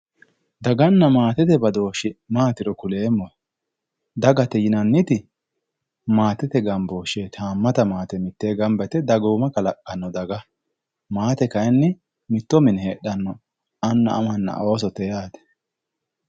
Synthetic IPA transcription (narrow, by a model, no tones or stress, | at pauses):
d̪ɐɡɐnːɐmaːt̪ɪt̪ɛbɐd̪o̞ːʃɪmaːt̪ɪɾɔkʊle̞ːmːɔ | d̪ɐɡɐt̪ɛjɪnɐnːɪt̪ɪ | maːt̪ːɪt̪ɛɡɐmboːʃeːt̪ʰaːmːɐt̪ɐmaːt̪ɛmɪt̪ːeːɡɐmbɛt̪ɛd̪ɐɡoːmɐkɐlɐkʼːɐnːɔd̪ɐɡɐ | maːt̪ɛkɐjnːɪ | mɪt̪ːɔmɪnheːɗːɐnːɔ | ɐnːɐ̰ʔːmɐnːɐ̰o̞ːs̬ɔt̪ɛjaːt̪ɛ̥